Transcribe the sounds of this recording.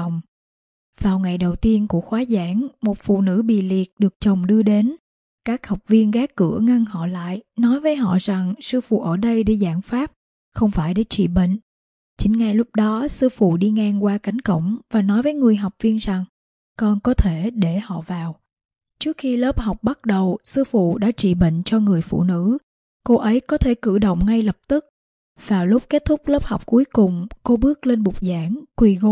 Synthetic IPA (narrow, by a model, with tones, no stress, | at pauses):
wŋ͡m | vaː˨˩wŋa˨˩jɗə˨˩wt̪i˧ənku˧˩əxwaː˨˦zaː˧˩ŋmo˨˩t̚fṵ˧˨nɨ̰˧˥ɓḭ˧˨li˨˩ət̚ɗɨ˨˩ək̚t͡ɕə˨˩wŋ͡mɗɨ˧əɗe˨˦n | kaː˦˥k̚ha˨˩wk͡p̚vi˧ənɣaː˦˥kːɨ̰˧˩əŋa˧ŋhɔ̰˧˨la̰ː˧˨jnɔ˨˦jvəː˨˦jɦɔ̰˧˨za˨˩ŋsɨ˧fṵ˧˨ʔəː˧˩ɗə˧jɗe˧˩zaː˧˩ŋfaː˦˥p̚ | xə˧wŋ͡mfaː˧˩jɗe˧˩t͡ɕḭ˧˨ɓə̰˧˨ŋ̟ | t͡ɕï˨˦ŋ̟ŋa˨˩jlʊ˦˥p̚ɗɔ˨˦sɨ˧fṵ˧˨ɗi˧ŋaː˧ŋkwaː˧ka˨˦jŋ̟kə̰˧˩wŋ͡mvaː˨˩nɔ˨˦jvəː˨˦jŋɨ˨˩əjɦɔ˨˩wk͡p̚vi˧ənza˨˩ŋ | kɔ˧nkɔ˨˦t̪ʰe˧˩ɗe˧˩hɔ̰˧˨vaː˨˩w | t͡ɕɨ˦˥ək̚xi˧ləː˦˥p̚ha˨˩wk͡p̚ɓa˦˥t̚ɗə˨˩wsɨ˧fṵ˧˨ɗa̰ː˧˥t͡ɕḭ˧˨ɓə̰˧˨ŋ̟t͡ɕɔ˧ŋɨ˨˩əjfṵ˧˨nɨ̰˧˥ | ko˧ʔə˨˦jkɔ˨˦t̪ʰe˧˩kɨ̰˧˩ɗə̰˧˨wŋ͡mŋa˧jlə˨˩p̚t̪ɨ˦˥k̚ | vaː˨˩wlʊ˦˥k͡p̚ke˦˥t̚t̪ʰʊ˦˥k͡p̚ləː˦˥p̚ha˨˩wk͡p̚ku˨˦jkʊ˨˩ŋ͡mko˧ɓɨ˦˥ək̚le˧nɓʊ˨˩k͡p̚zaː˧˩ŋkwi˨˩ɣo˧˦